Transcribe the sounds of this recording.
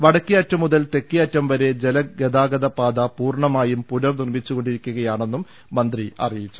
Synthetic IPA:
ʋɐɽɐkːiɐtːɐmuðɐlt̪e̞kːijɐtːɐmʋɐɾe̞d͡ʑelɐɡed̪aːɡɐðɐpaːd̪ɐpuːrɳɐmaːjumpuɾɐrnirmit͡ɕːuɣo̞ɳɖiɾikʲːuɣɐjaːɳo̞nːumː | ɐnd̪riʔɐ̰rijit͡ɕːu̥

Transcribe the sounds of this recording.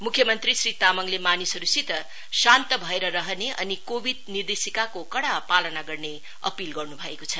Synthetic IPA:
mukʰjʌmʌnt̪risrit̪amʌŋlemanisʌɾusit̪ʌ | sant̪ʌbʱʌeɾʌɾʌɦʌneʔʌ̰nikobʱid̪̚nird̪esikakokʌɽapalʌnaɡʌrne | ʌ̰pilɡʌrnubʱʌekot͡sʰʌ

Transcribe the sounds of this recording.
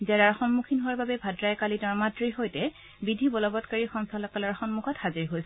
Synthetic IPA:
zɛɹaɹxɔnmukʰinɦowaɹbabɛbʱadɹajkalidɔɹmatɹiɦojtɛ | bidʱibɔlɔbɔtkaɹixɔŋsalɔkalaɹxɔnmukʰɔthaziɹiɦojsɛ

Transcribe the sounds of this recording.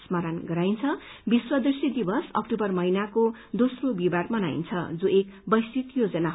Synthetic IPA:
smaɾanɡʌɾajnt͡sʰʌ | biswʌd̪isid̪ibʌsʌ̰k̚ʈubʌrmʌɦinako | d̪osrobibarmʌna̰j̰nt͡sʰʌ̰d͡zoek | bʌjsit̪jod͡zʌnaɦ

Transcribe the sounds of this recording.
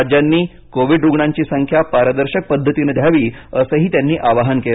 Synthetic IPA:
d͡ʑjanːiː | koʋiɖɾuɡɳaɲt͡ɕiːsəŋkʰjapaɾəd̪əɾɕək̚pəd̪ʱːət̪inəd̪ʱjaʋiːəsəɦiːt̪janːiːʔaʋaɦənkel

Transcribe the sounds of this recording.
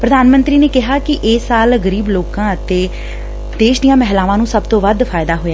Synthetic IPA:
pɾəd̪aːnmə̃nt̪ɾiːneːkɪɦaːkɪʔeːsaːlɡəɾiːbloːkãːət̪eː | d̪eːʃd̪ɪjãːmɛɦlaːʋãːnũːsəbt̪õːʋəd̪fʰaːɪd̪aːɦoːjaː

